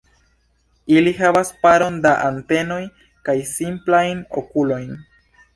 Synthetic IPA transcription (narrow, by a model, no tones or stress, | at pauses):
iliɦavaspaɾo̞ndaʔante̞no̞j | kajsimplajno̰kulo̞jn